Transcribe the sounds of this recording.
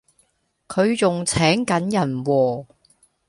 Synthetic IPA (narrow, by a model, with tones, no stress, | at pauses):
kʰɵ˨˧ɥt͡sʊ˨ŋt͡sʰɛː˨˥ŋkɐ˨˥njɐ˨˩nwɔː˨˩